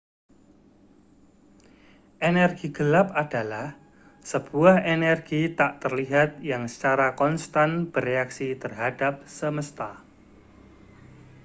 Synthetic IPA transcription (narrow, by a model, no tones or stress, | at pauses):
ʔenɛrɡ̥iɡ̥əlap̚ad̥a̤lah | səb̥uahenɛrɡ̥it̪aʔt̪ərliɦat̪̚jaŋsə̥t͡ʃaɾakɔnst̪anb̥əreaksit̪ərɦad̥ap̚səməst̪a